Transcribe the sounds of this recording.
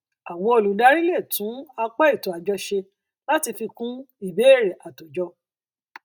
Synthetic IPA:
a˨wɔ̃˧o˧˨lu˨da˨˦ɾi˦le˦˨tũ˨˦a˧k͡pɛ˦i˦˨to˨a˨d͡ʒɔ˧ʃe˧ | la˦ti˧fi˧kũ˦i˦˨be˨˦˨ɾe˨ʔa˨to˨d͡ʒɔ˧

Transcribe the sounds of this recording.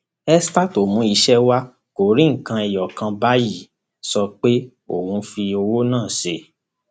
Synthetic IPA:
ɛ˦sta˦to˨mũ˨˦i˧ʃɛ˦wa˦ | ko˨ɾĩ˦ŋ̩˨kã˧ɛ˨jɔ˨kã˧ba˦ji˦˨ | sɔ˧k͡pe˦ | o̰˨wũ˧˦fi˧o˧wo˦nãː˦˨ʃe˧˦

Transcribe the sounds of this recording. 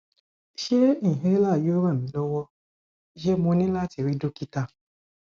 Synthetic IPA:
ʃe˦nĩ˦˨ɦe˦la˦˨jo˦ɾã˦˨ĩ˨˦lɔ˦wɔ˦ | d͡ʒe˦mõ˧˦nĩ˦la˦˨ti˨ɾi˦do˦ki˦ta˧

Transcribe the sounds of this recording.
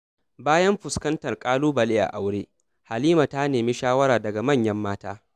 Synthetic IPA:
baː˦jɐ˦mɸʊ˨skɐ˦ntɐ˨rkʼaː˦luː˦bɐ˨le˦ʔa̰˨ʔa˨wɽeː˦ | ha˨liː˦ma˨ta˦neː˨mi˦ʃaː˦wɐ˦ɾaː˨dɐ˨ɡa˨mɐ˦˨ɲjɐ˦mːaː˦taː˦

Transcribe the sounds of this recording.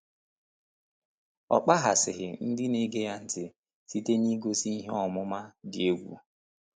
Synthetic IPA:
ɔ̰˨k͡pa˦ɦa˨sɪ̰˨ɦɪ˨n̩˦dɪ˦ni˦ɡe˦ja˦n̩˨tɪ˨ | si˦te˦ni˦ɡo˦si˦i˦ɦe˦ɔ˨mʊ˦ma˦dɪ˨e˦ɡʷṵ˨

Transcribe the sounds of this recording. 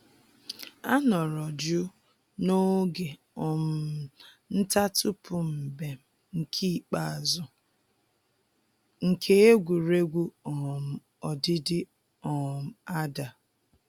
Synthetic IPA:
a˦nɔ˨ɾɔ˨d͡ʒʊ˦ | no˦ɡe˨ | ɔ˨m̩˨ | n̩˦ta˦tʊ˦pʰʊ˨m̩˨be˨ | ŋ̩˨kʰi˦˨k͡pa˨a˨zʊ˨ | ŋ̩˨kʰe˦e˦ɡʷu˨ɾe˦ɡʷu˦ɔ˨m̩˨ | ɔ˨dɪ˦dɪ˦ | ɔ˨m̩˨a˦da˨

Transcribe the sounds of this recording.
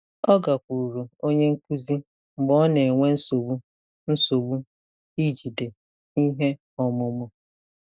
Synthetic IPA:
ɔ˦ɡa˨kʷu˨ɾu˨ɾo˨o˦ɲe˦ŋ̩˦ku˦zi˦ | ŋ͡m̩˨ɡ͡bɔ˦ne˨ŋʷe˦n̩˦so˨wu˦ | n̩˦so˨wu˦ | i˦d͡ʒi˨de˨ | i˦ɦe˦ | ɔ˨mʊ˦mʊ˦

